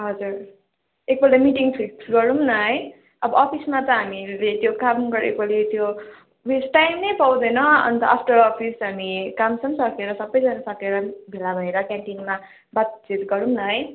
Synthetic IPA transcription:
ɦʌd͡zuɾ | ek̚bʌlamiʈiŋpʰiksɡʌɾumnʌɦʌj | ʌbʌʌpʰismat͡sʌɦamilet̪jokammɡʌɾḛk̚bʌlet̪jo | wesʈajmnʌjpawd̪ʌnʌʌ̰nt̪ʌ̰ʔapʰʈʌɾɔpʰisɦamikamsʌmsʌkeɾʌsʌbːʌjd͡zanasʌkeɾʌbʱelabʱʌeɾʌkaɳʈiŋma | bat͡sit̪ɡʌɾumnʌɦʌj

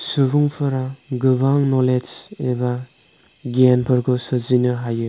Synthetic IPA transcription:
subuŋpʰɯɾaɡɯbaŋnɔled͡ʒeba | ɡianpʰɯɾɡɯsɯzinɯɦajɯ

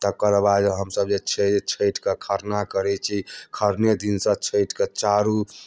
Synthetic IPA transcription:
t̪əkəɾbad͡ʒɦəmsəbd͡ʒet͡ʃʰet͡ʃʰəjʈkekʰəɾnakəɾɛt͡ʃʰikʰəɾned̪insə̃t͡ʃʰəɪʈʰket͡ʃaɾu

